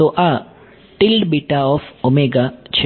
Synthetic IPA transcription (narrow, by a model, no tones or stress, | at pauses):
t̪oʔa | ʈɪlɖbiʈaɔːfomeɡat͡ʃʰ